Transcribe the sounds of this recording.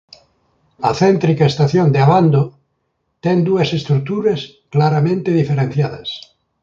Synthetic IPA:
a̰θent̪ɾikaest̪aθjond̪eaβand̪o | t̪ɛnd̪uɐsest̪ɾuk̚t̪uɾas | klaɾamẽnt̪eðifeɾẽn̟θjaðɐs

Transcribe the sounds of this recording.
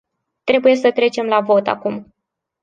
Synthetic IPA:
t̪ɾe̞buje̞sət̪ɾe̞t͡ʃe̞mlavo̞t̪a̰kum

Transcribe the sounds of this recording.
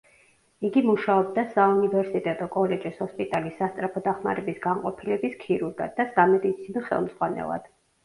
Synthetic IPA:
iɡimuʃaɔbd̪asaunivɛɾsit̪ʼɛt̪ʼɔkʼɔlɛd͡ʒishɔspʼit̪ʼalisːast̪sʼɾapʰɔd̪aχma̰ɾɛbisɡaŋqʼɔ̰pʰilɛbiskʰiɾuɾɡa̰d̪ːasɡamɛd̪it̪sʰinɔχɛ̰lˠmz̥ʁwanɛ̰lˠa̰d̪̥

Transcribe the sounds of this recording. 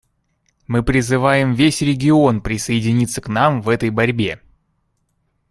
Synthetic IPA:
mɨpɾʲɪzɨvajɪmvʲesʲɾʲɪɡʲɪo̞npɾʲɪsəjɪdʲɪnʲit̪səknamvɛt̪əjbɐɾʲbʲe̞

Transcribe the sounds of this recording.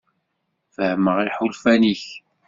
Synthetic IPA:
fəhməʁiħʊlfæniç

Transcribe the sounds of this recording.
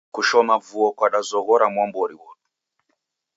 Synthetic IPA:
kuʃɔmavuɔkwaɗazɔɣɔɾamwambɔɾiwɔtu̥

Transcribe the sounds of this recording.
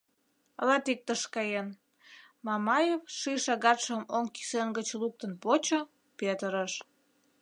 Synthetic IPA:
əlɑt̪ik̚t̪əʃkɑjen | mɑmɑjefʃijʃɑɣɑt̪ʃəmoŋki̥senɡət͡ɕluk̚t̪ənpot͡ɕo | pet̪əɾəʃ

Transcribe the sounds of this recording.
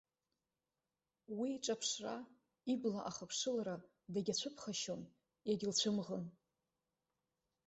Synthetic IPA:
wiʈ͡ʂʼapʰʂra | iblaʔaχapʰʂɨlaɾa | daɡʲat͡ɕʷʰɨpʰχaʃo̞n | jaɡʲɪlt͡ɕʷʰɨmʁən

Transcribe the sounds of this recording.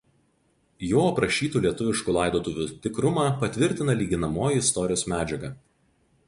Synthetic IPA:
joːɐpɾɐʃʲiːt̪uːlʲiɛt̪ʊʋʲɪʃkuːlˠɑˑɪd̪oːt̪ʊʋʲut̪ʲɪkɾʊmɑːpɐt̪ʲʋʲɪɾʲt̪ʲɪnɐlʲiːɡʲɪnɐmoːjiɪst̪ɔɾʲɪjoːsmʲæːd͡ʒʲɛɡɐː

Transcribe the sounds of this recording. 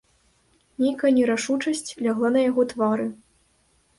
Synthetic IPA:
nʲejkɐjɐnʲɛɾaʂut͡ʂɐsʲt͡sʲlʲaɣlˠanɐjaɣɔt̪vaɾɨ

